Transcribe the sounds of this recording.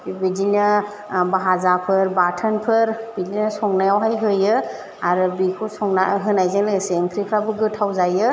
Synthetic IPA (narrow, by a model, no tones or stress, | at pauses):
bidinɯ | baɦazapʰɯɾbatʰənpʰɯɾbidinɯsɔŋnajawɦajɦɯjɯ | aɾɯbikʰɔsɔŋnaɦɯnajzaleseŋkʰɾikʰɾabɯɡɯtʰawzajɯ